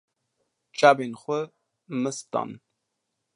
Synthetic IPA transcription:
t͡ʃʼabinχʷʊ | mɨstʰʼa̰n

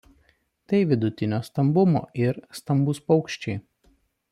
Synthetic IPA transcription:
t̪ɐɪʋʲɪd̪ʊt̪ʲɪnʲoːst̪ɐmbʊmo̰ːʔɪɾst̪ɐmbʊspɒʊkʃʲt͡ʃʲɛɪ

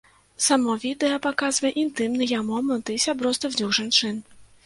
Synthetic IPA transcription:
samɔvʲid̪ɛɐpakazvɐjɛʔint̪ɨmnɨjamɔmɛnt̪ɨsʲabɾɔst̪ɨvnʲɔwʐant͡ʂɨn

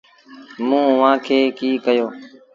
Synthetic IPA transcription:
mũːʊʋãːkʰeːkiːkəjoː

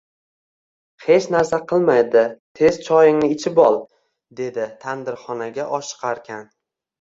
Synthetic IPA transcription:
he̞t͡ʃnaɾsaqʰɨlˠmajd̪ɪt̪ʰe̞z̥t͡ʃʰɒjɪŋnɪɪt͡ʃʰɪbɒlˠ | d̪e̞d̪ɪt̪ʰand̪ɪɾχɒnaɡʲaʔɒʃɨ̥qʰaɾkʲʰan

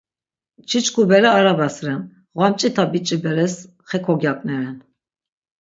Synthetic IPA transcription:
t͡ʃʰit͡ʃkʰubɛɾaːɾabasɾɛn | ʁwamt͡ʃʼit̪ʰabit͡ʃʼibɛɾɛs | χɛkʰɔɡjakʼnɛɾɛn

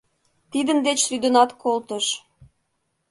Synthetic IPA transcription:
t̪id̪ənd̪et͡ɕryd̪ənɑt̪kolt̪əʃ

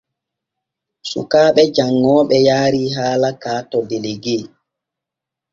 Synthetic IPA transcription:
sṵkaːɓɛd͡ʒaŋːɔːɓɛjaːɾiːɦaːlakaːtɔdeleɡeː

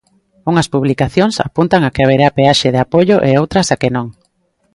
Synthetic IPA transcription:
uŋɐspuβlikaθjoŋsa̰punt̪aŋakɪaβ̞eɾapeaʃeðeapoʎoʔeowt̪ɾɐsakenõŋ

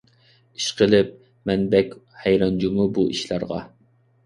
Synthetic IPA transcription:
i̥ʃqəlɪp̚ | mɛnbɛkʲhɛjɾɑnd͡ʒumubuʔiʃlɑɾʁɑ̰

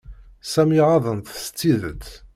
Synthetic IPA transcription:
sæmiʕɑðˤənt̪sə̥t͡sːiðət͡sː

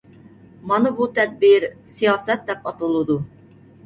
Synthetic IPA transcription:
mɑnɨbut̪ʰɛd̪̚biɾsijɑːsɛt̪̚d̪ɛpɑt̪ɨlˠɨd̪u

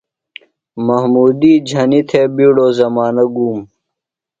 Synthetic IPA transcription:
mɐhmuːd̪iːd͡ʑʱɐnit̪ʰeːbiːɽoːzɐmaːnɐɡuːm

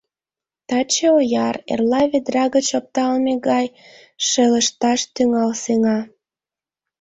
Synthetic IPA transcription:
t̪ɑt͡ɕeojɑrḛrlɑβed̪rɑɣət͡ɕop̚t̪ɑlmeɣɑj | ʃelə̆ʃt̪ɑʃt̪yŋɑlseŋɑ

